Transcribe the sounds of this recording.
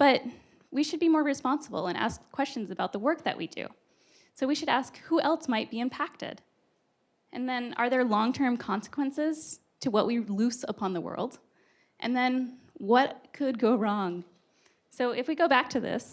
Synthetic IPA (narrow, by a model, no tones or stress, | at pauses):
b̥ʌt̚ | wiʃɨd̚bimɔɹɹɨspɑ̃nsəbl̩ˠə̃nʔæ̰skʰw̥ɛst͡ʃn̩zɨbaʊt̪̚ðəwɜ˞k̚ðɨ̰ʔwḭdʉ̰ | soʊwiʃɨɾæskhuʔɛlˠsmaɪt̚b̥iɨ̃mpʰæk̚tɪ̰d | ʔɨ̃nðɨ̃nə̰˞ðə˞lɔ̃ŋtʰɜ̃˞mkʰɑ̃nsə̥kʰwə̃nsɪz̥ | tʰɨwʌʔwʔilʉsəpʰɑ̃nðəwɜ̰˞lˠd | ʔɨ̰̃nðɨ̃n | wʌt̚kʰɨd̚ɡoʊɹɔ̃ŋ | soʊʔɨfwiɡoʊbæk̚tʰɨðɪ̰s